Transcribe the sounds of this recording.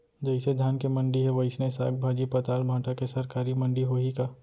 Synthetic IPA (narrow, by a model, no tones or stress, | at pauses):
d͡ʒɐɪsed̪ʱjaːnkemɐ̃ɳɖiɦɛʋɐɪsnesa̰ːk̚bʱaːd͡ʒipɐt̪aːlbʱãːʈʰakesɐɾkaːɾimɐ̃ɳɖiɦoːɦikaː